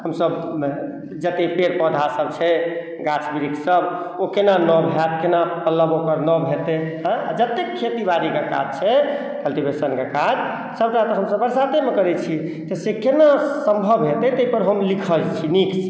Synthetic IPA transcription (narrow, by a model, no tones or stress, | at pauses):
həmsəb | d͡ʒət̪epeɾpɔd̪ʱasəb̚t͡ʃʰɛ | ɡat͡ʃʰbiɾiksəb | okenanɔbʱɛt̪kenapəlːəbokəɾnɔbʱet̪ẽ | a̰d͡ʒət̪ːekʰːet̪ibaɾikaka̰d͡ʒt͡ʃʰɛ | kəlʈibʱesənkekad͡ʒ | səbʈat̪əɦəmsəbəɾsat̪emekəɾɛt͡ʃʰi | t̪əsekenasəmbʱəbʱɦet̪ɛt̪əjpəɾɦəmlikʰəlt͡ʃʰiniks